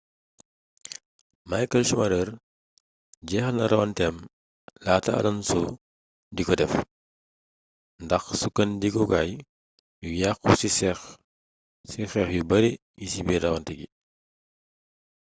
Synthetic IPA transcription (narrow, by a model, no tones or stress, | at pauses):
majkɐlsumɐɾər | ɟɛxɐlnɐɾɐwɐntɛm | laːtɐɐ̰lɐnsu | dikɔdɛf | ndɐxsukɐndikɔɡaj | jujaxusisɛx | sixɛxjubɐɾi | jisibirɐwɐntɛɡḭ